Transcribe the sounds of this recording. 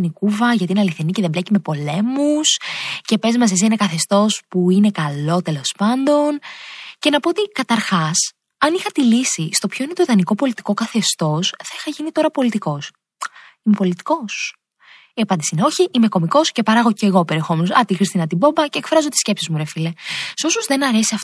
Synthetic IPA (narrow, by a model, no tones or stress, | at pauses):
nikuvɐʝɐt̪iineɐliθeniceðemblecime̞po̞le̞musce̞pe̞zmɐs̬es̬iinekɐθe̞st̪o̞spuine̞kɐlo̞t̪e̞lo̞spɐnd̪o̞nce̞nɐpoot̪ikɐt̪ɐɾxɐs | ɐnixɐt̪ilisist̪o̞pçoine̞t̪oiðɐniko̞po̞lit̪i̥ko̞kɐθe̞st̪o̞sθɐixɐʝinit̪o̞ɾɐpo̞lit̪iko̞s | imepo̞lit̪i̥ko̞s | iɐpɐnd̪isineo̞çiʔime̞ko̞miko̞sce̞pɐɾɐɣo̞ce̞ɣo̞pe̞ɾiexo̞menosɐt̪ixɾist̪inɐt̪ibo̞mbɐce̞kfɾɐzot̪isce̞psizmuɾefile̞so̞sozðe̞nɐɾe̞siɐf